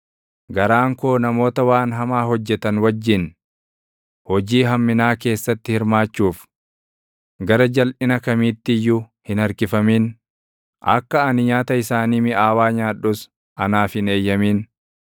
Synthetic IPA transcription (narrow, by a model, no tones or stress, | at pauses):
ɡɐɾaːŋkoːnɐmo̞ːt̪ɐwaːnɦɐmaːɦɔd͡ʒːɛt̪ɐnwɐd͡ʒːɪn | hɔd͡ʒiːɦɐmːɪnaːke̞ːsːɐt̪ːɪhɪɾmaːt͡ʃːuːf | ɡɐɾɐd͡ʒɐlʔɪnɐkɐmiːt̪ːɪjːʊ | hɪnɐɾkɪfɐmiːn | ʔɐ̰kːɐɐnɪɲaːt̪ɐɪsaːniːmɪʔaːwaːɲaːᶑʊs | ʔɐnaːfɪne̞ːjːɐmiːn